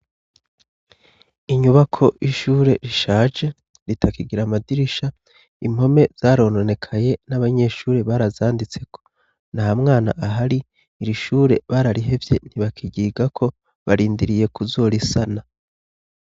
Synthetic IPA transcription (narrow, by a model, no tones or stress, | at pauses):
iɲuβakʰo̞ʔiʃuːɾe̞ɾiʃaːʒe̞ | ɾitʰakiɡiɾamadiɾiʃa | im̥ho̞me̞z̥aːɾo̞ːnone̞kʰaje̞naβaɲe̞ʃuːɾeβaːɾazaːndit͡se̞kʰo̥ | nahamŋaːna̰ʔaɦaɾiː | ɾiʃuːɾe̞̰βaːɾaɾiɦe̞vje̞n̥iβakʰiɟiːɡakʰo̞ | βaɾiːndiɾije̞kuzoːɾisana